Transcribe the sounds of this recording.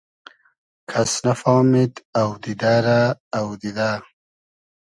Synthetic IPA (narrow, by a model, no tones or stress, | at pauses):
kʰɐsnɐfɑːmit̪awd̪id̪aːɾaːwd̪id̪aː